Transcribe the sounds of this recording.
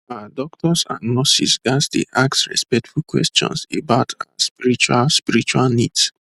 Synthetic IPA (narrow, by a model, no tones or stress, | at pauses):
adɔk̚tʰɔsã̰nnɔsisɡasdḛʔaksɹɛ̰spɛk̚tfulkwɛ̰stɔ̰̃nsḛbaʊtʰaspiɹit͡ʃualspiɹit͡ʃualnids